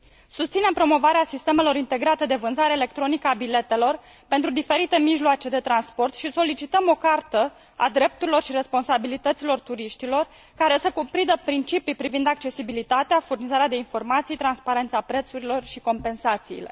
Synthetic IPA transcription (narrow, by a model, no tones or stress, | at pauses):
sust̪sine̞mpɾo̞mo̞vaɾeasist̪e̞me̞lo̞ɾint̪e̞ɡɾat̪e̞d̪e̞vɨnzaɾeːle̞k̚t̪ɾo̞nikəabile̞t̪e̞lo̞r | pe̞nt̪ɾud̪ife̞ɾit̪e̞miʒloat͡ʃe̞d̪e̞t̪ɾanspo̞rt̪ʃiso̞lit͡ʃit̪əmo̞kart̪ə | a̰d̪ɾe̞p̚t̪uɾilo̞rʃiɾe̞spo̞nsabilit̪ət̪silo̞rt̪uɾiʃt̪ilo̞r | kaɾe̞səkupɾid̪əpɾint͡ʃipipɾivind̪ak̚t͡ʃe̞sibilit̪at̪eafurnizaɾead̪e̞info̞rmat̪sijt̪ɾanspaɾe̞nt̪sapɾe̞t̪suɾilo̞rʃiko̞mpe̞nsat̪sḭːle̞̰